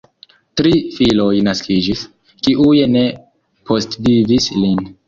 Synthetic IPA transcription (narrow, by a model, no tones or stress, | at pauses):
tɾifilo̞jnaskid͡ʒis | kiʔujene̞ | pʰo̞stvivislin